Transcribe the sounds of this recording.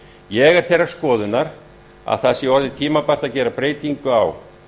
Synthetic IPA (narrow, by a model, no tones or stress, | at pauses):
jɛɣɛɾ̥θejrːaɾ̥skɔːðʏnaɾ | a̰ðθaðsjɛɔɾðɪt̪ʰiːmapar̥t̪aðcɛːɾapɾeːjt̪iŋkʏaw